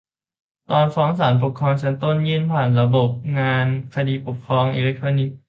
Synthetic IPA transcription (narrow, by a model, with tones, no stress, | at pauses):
t̪ɔː˧nfɔː˦˥ŋsaː˩˦np̬o˨˩kʰːɾɔː˧ŋt͡ɕʰa˦˥nt̪o˥˩njɯ˥˩˨npʰaː˨˩nɾa˧bo˨˩p̚ŋaː˧nkʰa˧diː˧po˨˩kʰːɾɔː˧ŋʔḭ˧le˦˥k̚t̪ʰɾɔː˧ni˨˩k̚